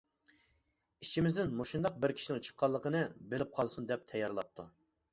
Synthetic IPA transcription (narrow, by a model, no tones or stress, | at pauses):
it͡ʃʰimɪzd̪ɪnmoʃund̪ɑq̚bɪɾkʲʰi̥ʃinɪŋt͡ʃʰə̥qʰːɑlˠːəqənɨbelɪp̚qʰɑlˠsund̪ɛp̚t̪ʰɛjːɑɾlˠɑp̚t̪ʰːu